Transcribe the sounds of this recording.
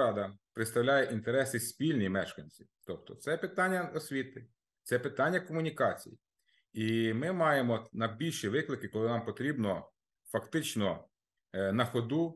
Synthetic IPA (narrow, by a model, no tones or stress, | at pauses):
ɑd̪ɐpɾɪt̪st̪ɐwlʲajɛʔint̪eɾɛsɪsʲpʲilʲnʲijmɛʃkɐnʲt͡sʲiwt̪ɔp̚t̪ɔt̪sɛpɪt̪ɑnʲːɐɔsʲʋʲit̪ɪ | t̪sɛpɪt̪ɑnʲːɐkɔmʊnʲikɑt͡sʲḭjḭ | imɪmɑjemɔnɐbʲilʲʃiʋɪklˠɪkɪkɔlˠɪnɑmpɔt̪ɾʲibnɔ | fɐkt̪ɪt͡ʃnɔ | nɐxɔd̪u